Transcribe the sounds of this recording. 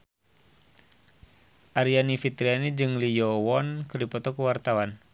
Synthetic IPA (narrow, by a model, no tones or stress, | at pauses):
ʔaɾianifit̪ɾianid͡ʒɨŋlijɔwɔnkɨrdipɔt̪ɔkuwart̪awan